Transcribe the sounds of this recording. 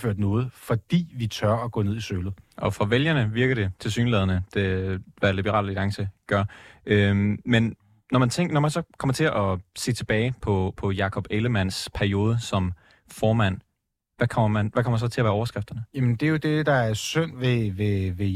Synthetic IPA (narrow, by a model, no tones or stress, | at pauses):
føɐ̰d̥nɔ̽ːð̞̩ˠfɒd̥ḭːʋit͡sʰɶɐɒɡ̥ɔ̰̽ːne̝ð̰ˠisøːlð̩ˠʔɒ̽fʁɒʋeljɐnəʋiɐɡ̥ɐɾ̥e̝t͡sʰe̝lsy̰ːnlɛːð̞ˠɐnəd̥eʋælib̥əʁɑ̰̈lid̥ɑ̈ŋsəɡ̥ɶɐʔømen | nɒmænt͡sʰeŋɡ̥nɒmænsɒ̽kʰɒ̽m̰ɐt͡sʰe̝ʔɒse̝̰ːt͡sʰe̝b̥ɛːɪpʰɒ̽pʰɒ̽jɑ̈kʰɒ̽b̥eləmæn̰spʰæɐio̝ːð̞ˠəsɒ̽m | fɒːmæn̰ | ʋækʰɒmɐmænʋækʰɒ̽m̰ɐsɒ̽t͡sʰe̝læʋæːɐɒʊɐsɡ̥ʁafd̥ɐnəjæmnd̥e̝jo̝d̥e̝d̥ɑ̈æɐsøn̰ʋeʋeʋe